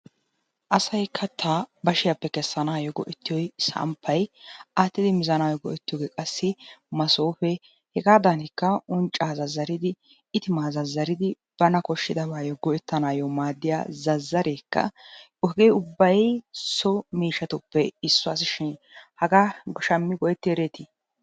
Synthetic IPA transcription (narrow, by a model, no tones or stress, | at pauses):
ʔɐsɐjkʰɐt̪ʰːabɐʃɪjɐpːɛkɛsːɐnaːjɔɡɔ̰ʔɛt̪ːɪjɔjsɐ̰mpʰːɐjaːt̪ːɪd̪ɪmɪzɐnaːjɔɡɔ̰ʔɛt̪ːɪjɔːɡeːkʼɐsːɪmɐsoːfɛ | hɛɡaːd̪ɐnɪkːɐʊnt͡ʃʼːaːzɐzːɐɾɪd̪ɪ | ɪt̪ɪmaːzɐzːɐɾɪd̪ɪ | b̥ɐnɐkɔʃːɪd̪ɐβaːjɔɡɔʔɛt̪ːɐnaːjɔmaːd̪ːɪja̰ːzɐzːɐɾeːkːɐ̰ | ɔɡeːʊbːɐjsɔmiːʃɐt̪ʊpːɛɪsːɔɐs̬ɪʃɪnhɐɡaɡɔʃɐmːɪɡɔɛt̪ːɪɛɾeːt̪ɪ